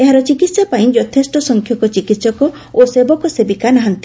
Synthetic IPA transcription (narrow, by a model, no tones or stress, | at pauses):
eɦaɾɔt͡ʃikit̪sjapaĩd͡ʒɔt̪ʰesʈɔsɔŋkʰjɔkɔt͡ʃikit̪sɔkɔ | osebɔkɔsebikanaɦant̪i̥